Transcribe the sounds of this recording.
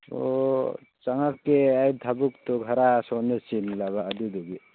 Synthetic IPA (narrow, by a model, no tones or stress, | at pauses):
o̰ | t͡ʃaŋakːeajd̪ʱabukt̪ɔɡʱaɾasɔnesinlaβaːd̪id̪uɡi